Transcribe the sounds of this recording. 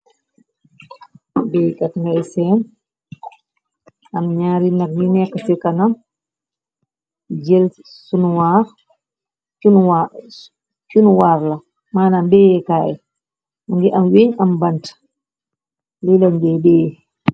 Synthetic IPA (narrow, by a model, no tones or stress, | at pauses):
bɛjkatŋɡajsɛn | amɲaːɾinaɾninɛkasɛkanam | d͡ʒel | sunwaɾ | unwa | t͡ʃunwaːɾla | maːnambɛjɛkaːɛ | muŋɡɛʔamweɲambant | lilaɲbɛbɛ